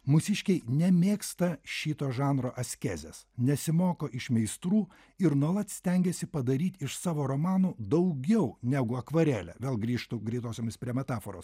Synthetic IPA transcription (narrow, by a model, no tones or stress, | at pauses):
mʊsʲɪʃʲkʲɛɪnʲɛmʲeːkst̪ɐʃʲiːt̪oːʒɑːnɾoːʔɐsʲkʲæːzʲḛsnʲɛsʲɪmoːkoːʔɪʃmʲɛɪst̪ɾuː | ɪɾnuɔlˠɐt̪sʲt̪ʲɛŋʲɡʲɛsʲɪpɐd̪ɐɾʲiːt̪ʲɪʃsɑːʋoːɾomɑːnuːd̪ɐʊɡʲɛʊnʲɛɡʊɐkʋɐɾʲæːlʲɛ̰ʋʲeːlˠɡɾʲiːʃt̪ʊɡɾʲɛɪt̪oːsʲoːmʲɪspʲɾʲiɛmʲɛt̪ɑːfoːɾoːs